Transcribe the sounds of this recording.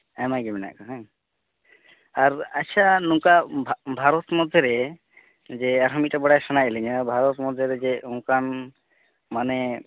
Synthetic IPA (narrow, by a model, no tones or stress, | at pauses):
ɛmajɡɛmɛna̰ʔkɔɦɛ̃ | aɾasanũkabʱbʱaɾɔt̪mɔd̪ʱjɔɾɛ | d͡ʒɛaɾɦɔmitabɔɽajsanajɛlɛɲabʱaɾɔt̪mɔd̪ʱjɔɾɛd͡ʒɛũkan | manɛ